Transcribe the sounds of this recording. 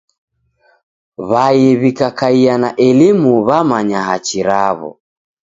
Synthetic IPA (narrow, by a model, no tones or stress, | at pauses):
βajɛβikakaianaʔɛlimuβamaɲaɦat͡ʃiɾaβɔ̰